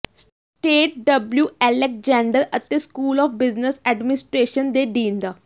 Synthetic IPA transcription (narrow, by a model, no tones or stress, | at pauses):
s | ʈeːʈ̚ɖəbljuːɛlek̚d͡ʒɛ̃ːɳɖəɾət̪ẽskuːlɔːfbɪznəsɛːɖmɪnɪsʈɾeːʃənd̪eɖĩːnd̪aː